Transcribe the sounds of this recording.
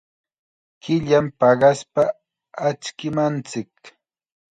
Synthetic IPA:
kɪʎampɑɢɑspa | at͡ʃkɪmant͡sɪk

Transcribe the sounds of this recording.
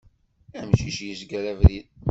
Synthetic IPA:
æmʃiʃjəzɡɾævɾið

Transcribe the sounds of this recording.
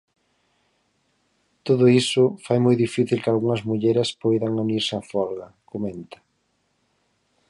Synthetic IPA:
t̪oðʊisʊfajmojðifiθilkalɣuŋɐzmuʎeɾɪspojðaŋuniɾsafɔlɣɐkomẽnt̪ɐ̥

